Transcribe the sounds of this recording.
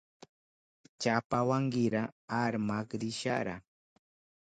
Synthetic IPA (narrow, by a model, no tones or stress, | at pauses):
t͡ʃapawaŋɢɪɾaaɾmakɾɪʃa̰ɾa̰